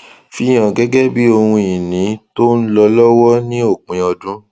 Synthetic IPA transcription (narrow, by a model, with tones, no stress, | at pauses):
fi˧˨j̃ã˨ɡɛ˦ɡɛ˦bi˦o˧hũ˧i˨nĩ˨˦to˦n̩˦lɔ˧lɔ˦wɔ˦nĩ˦o˦˨k͡pĩ˨˦ɔ˧dũ˦